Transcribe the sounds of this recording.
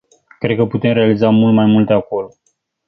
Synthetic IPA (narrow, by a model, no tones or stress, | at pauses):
kɾe̞d̪̚kəput̪e̞mɾe̞alizamult̪majmult̪e̞ako̞lo